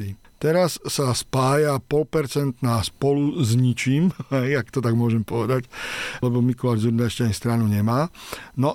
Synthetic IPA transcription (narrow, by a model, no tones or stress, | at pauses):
i | t̪ɛɾasːaspaːjapɔlpɛɾt͡sɛnt̪naːspɔluzɲit͡ʃiːmɦɛjakt̪ɔt̪aɡmʊɔʒɛmpɔʋɛd̪aclɛbɔmikɔlaːʒzuɾd̪aɛʃcaɲst̪ɾanuɲɛmaːnɔ